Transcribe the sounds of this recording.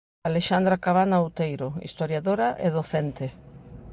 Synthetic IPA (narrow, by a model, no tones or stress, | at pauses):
aleʃand̪ɾakaβanaowt̪ejɾoḭst̪oɾjaðoɾaʔeðoθent̪e